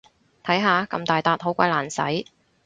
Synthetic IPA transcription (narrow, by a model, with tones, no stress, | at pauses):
t̪ʰɐ˨˥jɦaː˨˧kɐ̰˧mt̪aː˨jt̪aː˧t̚ɦo˨˥wkʷɐ̰˧jlaː˨˩nsɐ̰˨˥j